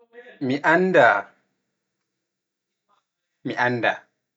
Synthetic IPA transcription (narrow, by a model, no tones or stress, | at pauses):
miʔanda | miʔanːda̰